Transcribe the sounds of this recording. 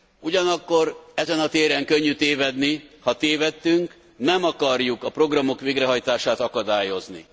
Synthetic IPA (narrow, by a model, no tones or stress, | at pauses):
uɟɒnɒkːo̞ɾɛzɛnɒt̪eːɾɛŋkøɲːyt̪eːvɛd̪nihɒt̪eːvɛt̪ːyŋk | nɛmɒkɒrjukɒpro̞ɡrɒmo̞kʋeːɡrɛɦɒjt̪aːʃaːt̪ɒkɒd̪aːjo̞znḭ